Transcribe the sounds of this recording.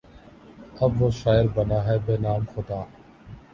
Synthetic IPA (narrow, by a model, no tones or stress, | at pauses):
əbːoːʃaːɪɾbənaːɦɛːbeːnaːmxʊd̪aː